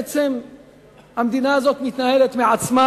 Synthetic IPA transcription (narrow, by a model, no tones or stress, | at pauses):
t͡sem | hamd̪inaazoːt̪mɪt̪nahelet̪mɪʕat͡sma